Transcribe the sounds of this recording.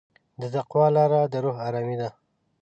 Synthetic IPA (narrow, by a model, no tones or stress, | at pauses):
d̪əzaqwɑlɑɾad̪əɾoɦaɾɑmid̪a